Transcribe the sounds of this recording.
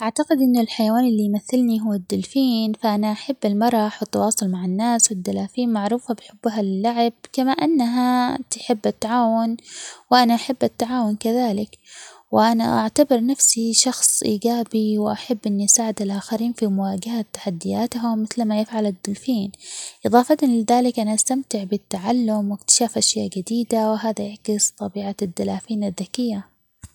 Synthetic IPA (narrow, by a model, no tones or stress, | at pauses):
ʔaʕt̪aqɪd̪ʔɪnːʊlħajawaːnɪlːijmaθːɪlniɦʊwːad̪ːʊlfiːnfaʔanaʔaħabːɪlmɑɾˤɑħwɪt̪ːɑwɑːsˤʊlmaʕɪnːaːswɪd̪ːalaːfiːnmaʕɾuːfabɪħɪbːɦalɪlːaʕɪb̚kamaːʔanːaɦat̪ɪħɪbːʔat̪ːaʕaːwʊnwɪʔanaʔaħabːʔat̪ːaʕaːwʊnkaðaːlɪk | wɪʔana̰ʔaʕt̪abɪɾˤnafsiʃɑxsˤʔiːɡaːbiwʔaħabːʔɪnːiʔsaːʕɪd̪alʔaːxaɾiːnfimʊwaːɡahat̪ːḁħad̪ːɪjaːt̪ɦʊmːɪθlmajɪfʕalad̪ːʊlfiːnʔɨðˤɑːfɑt̪anlɪðaːlɪkʔanaʔast̪amt̪ɪʕbɪt̪ːaʕalːʊmwɪkt̪ɪ̥ʃaːfʔaʃjaːʔɡɪd̪iːd̪awɪɦaːðajaʕkɪst̪ˤɑbiːʕad̪ːalaːfiːnaðːakɪjːa